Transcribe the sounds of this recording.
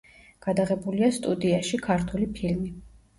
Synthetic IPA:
ɡ̥ad̪aʁɛbuliast̪ʼud̪iaʃikʰaɾt̪ʰulipʰilmi

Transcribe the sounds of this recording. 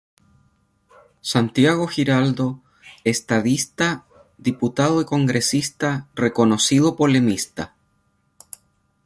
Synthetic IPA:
sant̪jaɣ̞o̞xiɾald̪o̞ | est̪aðist̪a | ðiput̪aðoiko̞ŋɡɾesist̪areko̞nosiðopo̞le̞mist̪a

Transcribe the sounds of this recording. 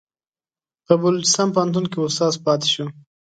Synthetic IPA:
pəbalʊt͡ʃɪ̥st̪ɑnpəant̪̬unkeʊst̪ɑzpɑt̪e̥ʃum

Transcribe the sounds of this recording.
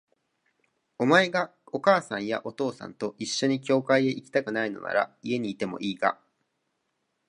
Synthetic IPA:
o̞mae̞ɡa | o̞kaːsãɰ̃ja̰ʔo̞t̪o̞ːsã̰nt̪o̞ʔiɕːo̞ɲ̟ikʲo̞ːkaie̞ʔikʲi̥t̪akɯ̟naino̞̰na̰ɾa̰ie̞ɲ̟iːt̪e̞mo̞̰ʔiːɡa̰

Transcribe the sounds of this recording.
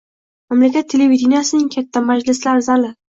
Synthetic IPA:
mamlakʲat̪ʰːelevid̪ʲinijasɪnɪŋkʲʰat̪ʰːamad͡ʒlɪslaɾɪzalɪ

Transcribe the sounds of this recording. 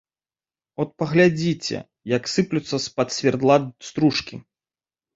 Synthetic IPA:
ɔt̪̚pɐɣlʲad͡zʲit͡sʲɛ̰ | jɐksɨplʲut̪sːɐspɐt̪sʲvʲɛrd̪lˠast̪ɾuʂkʲi

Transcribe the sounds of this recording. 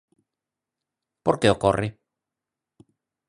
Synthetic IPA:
poɾkeokori

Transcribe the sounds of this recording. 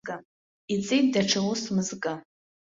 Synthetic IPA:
ɡa | it͡sʼijt̚ʼdaʈ͡ʂʰalusmɨzɡʼa

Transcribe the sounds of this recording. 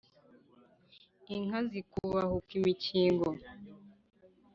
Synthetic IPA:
iŋ̥azikuwahukimiciːŋɡo

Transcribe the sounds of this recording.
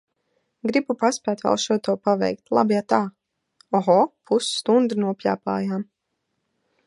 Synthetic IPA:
ɡɾibupaspʲæːt̪va̰lˠʃuɔt̪uɔpavɛ̰jk̚t̪lˠa̰bjat̪aː | ɔɦɔpʰusːt̪und̪ɨnuɔpʲla̰ːpa̰ːjaːm

